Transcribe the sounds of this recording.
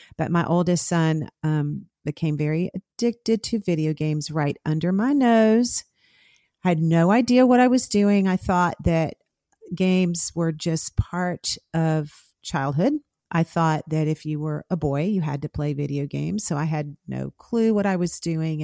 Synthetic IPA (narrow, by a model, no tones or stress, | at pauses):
b̥ʌ̰t̚maɪʔoʊlˠdɨssʌ̃nʌ̃m | b̥ɨkʰẽɪ̃ɱvɛɹiʔɨd̥ɪk̚tɨd̚tʰɨvɪɾioʊɡẽɪ̃mzɹaɪɾʌ̃ndə˞maɪnoʊz̥ | aɪɨdⁿnoʊaɪdiɨwʌɾaɪwʌzdʉɪ̃ŋaɪθɔt̪̚ðɨt̚ | ɡ̥ẽɪ̃mz̥wə˞d͡ʒʌspʰɑɹɾʌv̥ | t͡ʃʰaɪlˠd̚ɦʊd | ʔaɪθɔt̪̚ðɨɾɨfjɨwə˞ʔəbɔɪjɨɨ̰d̚tɨpʰl̥eɪvɪɾioʊɡḛ̃ɪ̃mz̥soʊaɪɨdⁿno̰ʊkʰl̥ʉwʌɾaɪwʌzdʉɪ̃ŋ